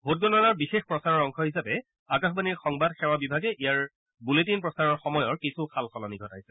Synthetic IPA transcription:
bʱot̚ɡɔnɔnaɹbixexpɹɔsaɹɔɹɔŋkʰɔɦisapɛ | akaxbaniɹxɔŋbadxɛɹwabibʱaɡɛʔijaɹ | buletinpɹɔsaɹɔɹxɔmɔjɔɹkisʰukʰalxɔlɔniɡʱɔtajsɛ̥

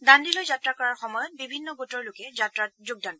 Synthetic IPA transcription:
dandilojzatɹakɔɹaɹxɔmɔjɔt̚bibʱinːɔɡotɔɹlʊkɛatɹazoɡ̚dantɔ

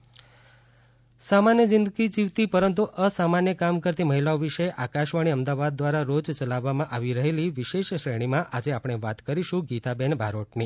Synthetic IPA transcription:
samanjəd͡ʒɪnd̪əɡid͡ʒiʋt̪ipəɾənt̪uʔəsamanjəkamkəɾt̪iməɦilaoʋiʃəeʔakaʃʋaɽ̃iəmd̪aʋad̪̚ːʋaɾaɾod͡ʒt͡ʃəlaʋːamãʔaʋiɾəɦeliʋɪʃeʃʃɾəɽ̃imãʔad͡ʒeapɽ̃eʋat̪kəɾiʃũɡit̪abenbʱaɾoʈni

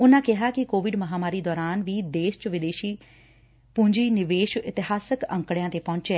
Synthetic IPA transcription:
ʊnãːkɪɦaːkɪkoːʋɪɖməɦaːmaːɾiːd̪ɔːɾaːnʋiːd̪eːʃt͡ʃʋɪd̪eːʃiː | pũːɲd͡ʒiːnɪʋeːʃɪt̪ɪɦaːsəkə̰̃ŋkɽejãːt̪eːpɔ̃ːɲt͡ʃeː

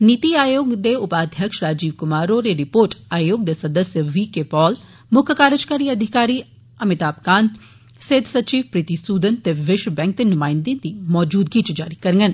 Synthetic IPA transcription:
niːt̪iaːjoːɡd̪eʊpaːd̪ʱjəkʃɾaːd͡ʒiːʋkʊmaːɾoɾeɾɪpoːɾʈaːjoːɡ̚d̪esɐd̪əsjəʋiːkepɔːl | mʊkʰəkaːɾəd͡ʒkaːɾiɐd̪ʱɪkaːɾiː | ɐmɪt̪aːpkaːn | sed̪sɐt͡ʃiːʋpɾɪt̪isuːd̪ənt̪eʋɪʃwbɛ̃ːŋk̚d̪enʊmaːɪnd̪end̪iːmɔːd͡ʒuːd̪ɡit͡ʃd͡ʒa̰ːɾikɐɾŋɡən

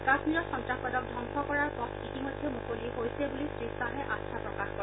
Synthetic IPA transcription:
kaxmiɹɔxɔntɹaxɔdɔk̚dʱɔŋkʰɔkɔɹaɹkɔtitimojdʱːɛmukoliɛɦojsɛbulisɹisaɦɛʔatsʰapɹɔkaxɔɹ

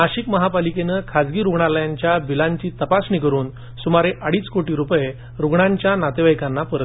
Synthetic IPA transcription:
aɕikməɦapalikenəkʰad͡zɡiːɾuɡɳaləjãɲt͡ɕjabilaɲt͡ɕiːt̪əpasnikəɾuːn | sumaɾeʔaɽiːt͡skoʈiːɾupje | ɾuɡɳaɲt͡ɕjanat̪eʋajkanːapəɾə

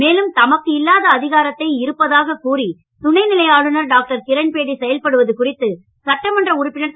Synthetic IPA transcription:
meːlɯmt̪ɐmɐkːɯɪlːaːðɐːðɪɣaːɾɐt̪ːɐɪɪɾɯpːɐðaːɣɐkuːri | t̪ʊnɐɪnɪlɐjaːɭɯnɐɾɖaːk̚ʈɐɾkɪɾɐnpeːɽisɛjɐlpɐɽɯʋɐðɯkʊrɪt̪ːɯ | sɐʈːɐmɐndrɐʊɾɯpːɪnɐɾ

